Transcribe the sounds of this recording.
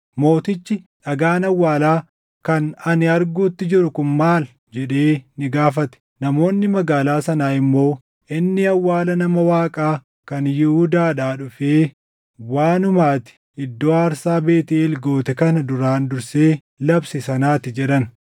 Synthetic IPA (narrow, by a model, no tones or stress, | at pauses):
mo̞ːt̪ɪt͡ʃːɪᶑɐɡaːnɐwːaːlaː | kɐnɐnɪɐɾɡuːt̪ːɪd͡ʒɪɾʊkʊnmaːl | d͡ʒɛᶑe̞ːnɪɡaːfɐt̪ɛ̥ | nɐmo̞ːnːɪmɐɡaːlaːsɐnaːɪmːo̞ː | ʔɪnːɪɐwːaːlɐnɐmɐwaːkʼaː | kɐnjɪhʊd̪aːᶑaːᶑʊfeː | waːnʊmaːt̪ɪ̥ | ɪd̪ːoːaːɾsaːbeːt̪ɪlɡo̞ːt̪ɛkɐnɐd̪ʊɾaːnd̪ʊɾseː | lɐbsɪsɐnaːt̪ɪd͡ʒɛᶑɐn